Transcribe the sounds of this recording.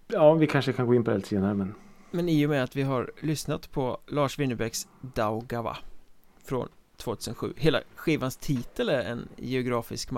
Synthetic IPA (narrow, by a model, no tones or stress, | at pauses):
jɑːvɪkʰanʂəkʰanɡoːɪnpʰɔɛlseːnaɾəmɛnmɛniːjɔmɛat̪vɪɦaɾlʏsnat̪pʰɔlɑːʂvɪnːəbɛɡsd̪aʊɡava̰ | fɾɔ̰nt̪ʰv̥oːt̪ʰʉ̟ːsənɧʉ̟̰ːheːla̰ɧiːvanst̪ʰiːt̪əlæɾɛ̰njɛʊɡɾɑːfɪskm